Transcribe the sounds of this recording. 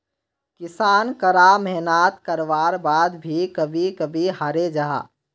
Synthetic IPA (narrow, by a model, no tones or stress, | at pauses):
kɪsaːnkəɾamɛɦnaːt̪kɐɾʋaːɾbaːd̪bʱikɐbʱikɐbʱiɦaɾed͡ʒaɦa̰ː